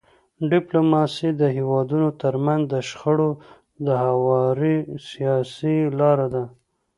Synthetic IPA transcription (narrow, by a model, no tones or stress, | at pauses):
ɖɪplomɑsid̪əɦewɑd̪unot̪əɾmanzd̪əʃxaɽo | d̪əhawɑɾisijɑsilɑɾad̪a